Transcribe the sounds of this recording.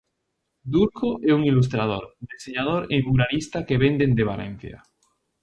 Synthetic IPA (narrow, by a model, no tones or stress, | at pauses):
d̪uɾkoʔeuŋilus̬t̪ɾað̞oɾd̪eseɲað̞oɾemuɾalist̪akeβend̪end̪eβ̞alḛ̃n̟θja̰